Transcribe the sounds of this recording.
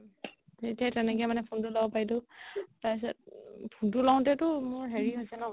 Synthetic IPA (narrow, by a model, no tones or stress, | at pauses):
etiatɛnɛkɛmanɛpʰontʊlabɔpajdʊtais̬at̚pʰuntʊlaw̃tɛtʊmʊɹɦeɹiɦojsɛnɔ̃